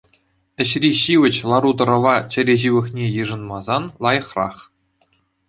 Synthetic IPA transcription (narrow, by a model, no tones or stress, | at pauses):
ɘ̆ɕrʲiɕiʋʲɘ̆t͡ɕlˠɑɾud̪ɤ̆ɾɤ̆ʋɑt͡ɕɘ̆ɾʲeʑiʋʲɘ̆xnʲejɯʐɤ̆nmɑzɑnlˠɑjɤ̆χrɑ̰χ